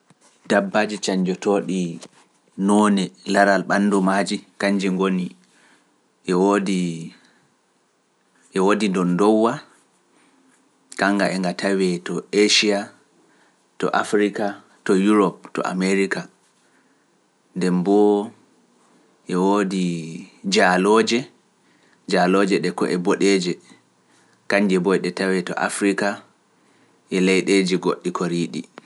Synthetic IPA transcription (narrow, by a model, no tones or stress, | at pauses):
dabːad͡ʒit͡ʃaɲd͡ʒɔtoːɗi | nɔːnɛlaɾalɓanːdɔmad͡ʒikaɲd͡ʒiŋɡoni | ʔɛwodi | ʔɛwodindɔndɔwːa | kaŋɡaʔɛŋɡatawɛtɔeʃia | tɔ̰ʔa̰fɾika | tɔjuɾɔp̚tɔ̰ʔa̰meɾika | ndɛmbɔ | ʔɛwoːdid͡ʒalɔːd͡ʒɛ | d͡ʒalɔd͡ʒɛɗɛkɔ̰ʔɛboɗed͡ʒɛ | kaɲd͡ʒɛbɔjɗɛtawɛtɔ̰ʔa̰fɾika | ʔɛlɛjɗeːd͡ʒiɡoɗːikʰoɾiːɗi